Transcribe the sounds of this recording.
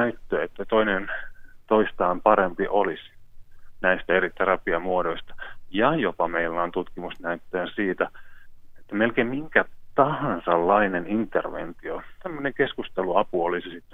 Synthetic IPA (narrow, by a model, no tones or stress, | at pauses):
næyt̪ːøːet̪ːæt̪oinent̪oist̪ɑːmpɑɾempiʔolis | næist̪æerit̪eɾɑpiɑmuodoist̪ɑ̥jɑjopɑmeilːæont̪ut̪kimusnæyt̪ːæːsiːt̪æet̪ːæmelkeimmiŋkæt̪ɑhɑnsɑlːɑinenint̪ːerʋḛnt̪iot̪æmːøneŋkeskust̪eluɑpuolisisit̪ː